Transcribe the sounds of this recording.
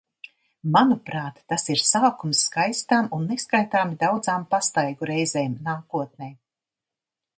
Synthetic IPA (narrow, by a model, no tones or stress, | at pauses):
manupɾaːt̪ːasiɾsaːkumsːkajst̪aːmunːeskajt̪aːmid̪awd̪zaːmpast̪ajɡuɾɛjzɛːmnaːkuɔt̪̚nɛːj